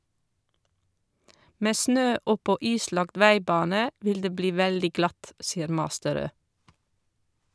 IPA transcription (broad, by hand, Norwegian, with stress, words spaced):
ˈmeː ˈsnøː ˈɔpɔ ˈiːˌslɑɡt ˈʋæɪˌbɑːnə ˈʋɪl ˈdeː ˈbliː ˈʋældɪ ˈɡlɑt ˈsiːəɾ ˈmɑːstəˌɾøː